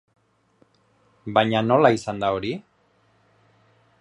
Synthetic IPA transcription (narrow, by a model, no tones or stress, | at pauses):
baɲano̞laisand̪ao̞ɾi